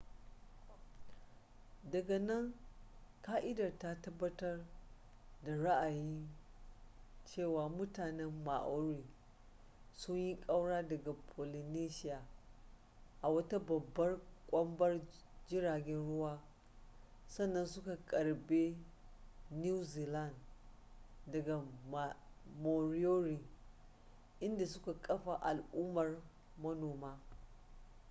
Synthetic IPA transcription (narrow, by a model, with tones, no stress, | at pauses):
dɐ˨ɡa˨nɐ˦ŋ | kaː˦ʔɪ˦dɐ˨rta˦tɐ˦bːɐ˦tɐ˦r | da˨ɽa˦ʔa˨jɪ˦n | t͡ʃeː˦˨waː˨mʊ˦taː˨nɛ˦mːa˨ʔo˦ɾiː˨ | sʊ˦ɲji˦kʼɐ˦wɽaː˦dɐ˨ɡa˨pʰoː˨li˨neː˦ʃɪ˦jaː˨ | ʔa˨wɐ˦ta˦bɐ˨bːɐ˦rkʷʼɐ˦mbɐ˦r | d͡ʒɪ˦ɾaː˨ɡʲɛ˦nɽʊ˦waː˦ | sɐ˦nːɐ˦nsʊ˦ka˨kʼɐ˨ɽbe˦ | ni˦wzi˨la˦˨n | dɐ˨ɡa˨ma˨mo˨ɾi˦jo˦ɾi˨ | ʔɪ˦nda˨sʊ˦ka˨kʼɐ˦ɸa˨ʔa˨lʔuː˦mɐ˨r | mɐ˦noː˨maː˦